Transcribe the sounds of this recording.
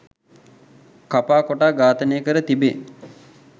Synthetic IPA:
kapaːkoʈaːɡaːt̪ənejəkəɾət̪ibe

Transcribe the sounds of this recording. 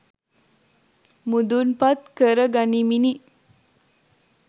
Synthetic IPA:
mud̪unpat̪kəɾəɡanimini

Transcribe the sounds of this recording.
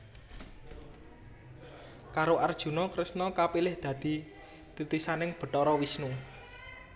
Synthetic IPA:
kaɾoʔard̥ʒ̥ṳnɔkɾɪsnɔkapilɪhd̪̥ä̤d̪̥i̤ | t̪ut̪isanɪŋb̥ə̤ʈt̪ɔɾɔwisnu

